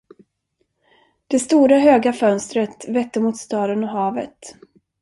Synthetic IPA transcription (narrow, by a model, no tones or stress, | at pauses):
d̪̥ɛst̪uːɾaɦøːɡafœnst̪ɾət̪vɛt̪ːəmuːt̪st̪ɑːd̪ənɔɦɑːvət̪